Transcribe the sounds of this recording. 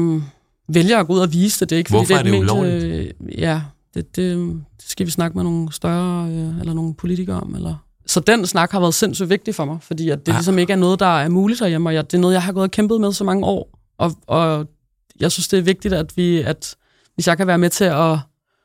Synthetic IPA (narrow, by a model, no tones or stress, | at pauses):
ʋeljɐːɡ̥ɔuð̰ˠɐʋiːsəd̥e̝d̥e̝eɡ̥fd̥ḭːde̥mḛː | jæd̥ed̥e̝d̥e̝sɡ̥æʋisnɑ̈ɡ̥əmeno̝ːn̩sd̥ɶɐøelɐno̝ːn̩pʰo̝lit͡sʰiɡ̥ɐɒ̽melɐ | sɒ̽d̥en̰snɑ̈ɡ̥hɑʋæɐðˠse̝n̰sy̰ːʋe̝ɡ̥̚d̥ifɒ̽mɑ̈ɪfɒ̽d̥ḭːæd̥d̥e̝lis̬ɒ̽me̝ɡ̥əæɐnɔ̽ːð̞̩ˠd̥ɑ̈æɐmuːlid̥ɒjemɒ̽jɑd̥e̝nɔːð̩ˠjɑ̈ɪɦɑ̈ɡɔ̽ːðˠkʰemb̥ðˠmeðˠsɒ̽mɑ̈ŋəɒ̰ː | ʔɒ̽ɒ̽ | jɑ̈ɪsynsd̥e̝æɐʋe̝ɡ̥̚d̥id̥æd̥ʋiæd̥ | ʋe̝sjɑɪkʰæʋæːɐmet͡sʰe̝ɒ